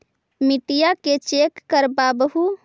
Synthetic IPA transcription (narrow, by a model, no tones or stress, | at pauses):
miʈijaket͡ʃekːəɾbabəɦu